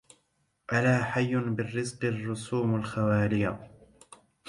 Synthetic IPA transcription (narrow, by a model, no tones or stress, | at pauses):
ʔalaːħajːʊnbɪrːɪzqɨrˤːʊsuːmalxawaːlɪja